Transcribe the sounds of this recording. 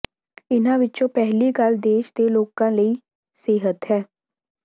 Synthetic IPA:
ɪnãːʋɪt͡ʃõːpɛɦliːɡəld̪eːʃd̪eːloːkãːləiː | seːɦət̪ɦɛː

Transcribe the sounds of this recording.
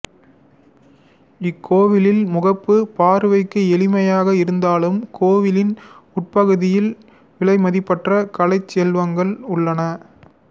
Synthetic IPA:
ɪkʰːoːʋɪlɪlmʊɣɐpːɯpaːɾɯʋɐɪkːɯɛlɪmɐjaːɣɐɪɾɯnd̪aːlɯmkʰoːʋɪlɪn | ʊʈ̚pɐɣɯðɪjɪl | ʋɪɭɐɪmɐðɪpːɐʈrɐkɐlɐɪt͡ʃːɛlʋɐŋɡɐɭʊɭːɐnɐ

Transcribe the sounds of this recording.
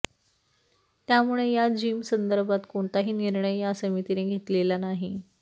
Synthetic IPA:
t̪jamuɭejad͡ʑiːmsənd̪əɾbat̪koɳt̪aɦiːniɾɳəjjasəmit̪ineɡʱet̪lelanaɦi

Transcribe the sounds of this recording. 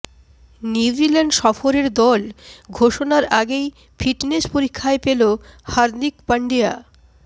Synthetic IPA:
njuud͡ʑilaɳɖʃɔfoɾeɾd̪ɔlɡʱoʃonaɾaɡej | fiʈneʃpoɾikʰːaepelohaɾd̪ikpaɳɖija̰

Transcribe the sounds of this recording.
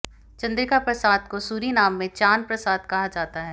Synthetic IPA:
t͡ʃɐ̃nd̪ɾɪkapɾɐsaːd̪kosuːɾinaːmːẽt͡ʃaːnpɾɐsaːd̪kɐɦad͡ʒaːt̪aɦɛː

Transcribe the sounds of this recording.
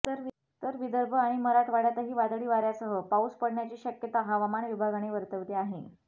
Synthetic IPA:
t̪əɾ | t̪əɾʋid̪əɾbʱəaɽ̃iməɾaʈʰʋaɽjat̪əɦiːʋad̪ɽiːʋaɾjasəɦəpauspəɽɳjat͡ɕiːɕəkjət̪aɦaʋamanʋibʱaɡaɽ̃eʋəɾt̪əʋt̪eaɦe

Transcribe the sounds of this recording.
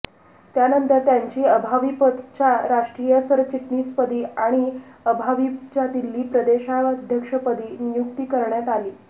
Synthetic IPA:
t̪janənt̪əɾt̪jaɲt͡ɕiːəbʱaʋipət̪t͡ɕaɾaʂʈɾijəsəɾt͡ɕiʈniːspəd̪iːaɽ̃iəbʱaʋit͡ɕat̪ilːiːpɾəd̪eɕad̪ʱjəkʂəpəd̪iːnjukt̪iːkəɾɳjat̪aliː

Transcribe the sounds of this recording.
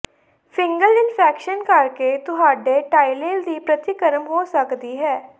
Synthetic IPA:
pʰɪŋɡəlɪnpʰɛːkʃənkəɾkeːt̪ʊɦaːɖeːʈaːileːld̪iːpɾət̪ɪkəɾəmɦoːsəkd̪iːɦɛː

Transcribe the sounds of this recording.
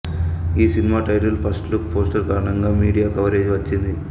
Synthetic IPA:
iːsinimaːʈɐjʈɐlpʰɐsʈlukpoːsʈɐɾkaɾɐɳɐŋɡaːmiːɽijaːkɐʋɐɾe̞ːd͡ʒiʋɐt͡ʃːind̪i

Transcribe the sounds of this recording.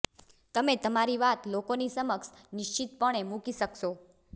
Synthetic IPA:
t̪əmet̪əmaɾiʋat̪lokonisəməkʃ | nɪʃt͡ʃit̪pəɳ̃emukiʃəkʃo

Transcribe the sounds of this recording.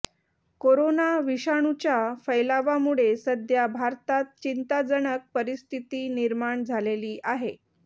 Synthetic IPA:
koɾonaʋiɕaɳ̃ut͡ɕjafəjlaʋamuɭesəd̪ʱjabʱaɾt̪at̪̚t͡ɕint̪ad͡zəɳək̚pəɾist̪ʰit̪iːniɾmaɳd͡zʱaleliːʔaɦe

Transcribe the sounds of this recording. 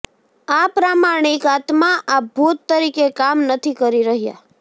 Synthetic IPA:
apɾamaɾɳ̃ikat̪maʔabʱut̪ːəɾikekamnət̪ʰikəɾiɾəɦja̰

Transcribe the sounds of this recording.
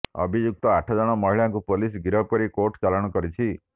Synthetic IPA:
ə̰bʱid͡ʒuk̚t̪ɔaʈʰɔd͡ʒɔɽ̃ɔmɔɦiɭjaŋkupolis̬ɡiɾɔb̚kɔɾikoʈt͡ʃalɔɽ̃ɔkɔɾit͡ʃʰi

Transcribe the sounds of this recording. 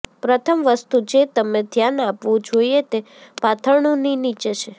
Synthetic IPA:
pɾət̪ʰəmʋəst̪ud͡ʒet̪əmed̪ʱjanapʋũd͡ʒoiet̪e | pat̪ʰəɾɳoninit͡ʃet͡ʃʰe

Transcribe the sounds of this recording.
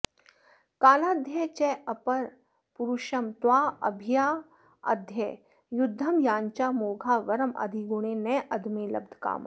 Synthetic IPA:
kaːlaːd̪ʱjɐt͡ʃɛɐpɐɾ | puɾuʃɐmt̪waːɐ̰bʱijaː | ɐ̰d̪ʱjɛ | jʊd̪ʱːɐmjaːɲt͡ʃaːmoːɡʱaːʋɐɾɐmɐ̰d̪ʱiɡʊɽ̃eːnɛːʔɐd̪ʱmeːlɐbd̪ʱka̰ːm̰

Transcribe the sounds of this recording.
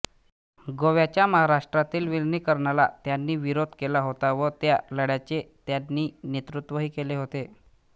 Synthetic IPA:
ɡoʋjat͡ɕjaməɦaɾaʂʈɾat̪iːlʋilniːkəɾɳala̰t̪janːiːʋiɾod̪ʱkelaɦot̪aʋət̪jaləɽjat͡ɕet̪janːiːnet̪ɾut̪ʋəɦiːkeleɦot̪e

